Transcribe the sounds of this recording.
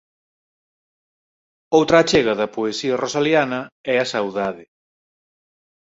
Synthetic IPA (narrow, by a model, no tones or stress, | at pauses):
owt̪ɾɐːt͡ʃeɣɐðɐpoesiɐrosaljanɐɛɐsawðaðɪ